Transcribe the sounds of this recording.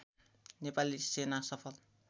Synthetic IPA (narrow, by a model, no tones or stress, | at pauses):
nepalisenasʌpʰʌl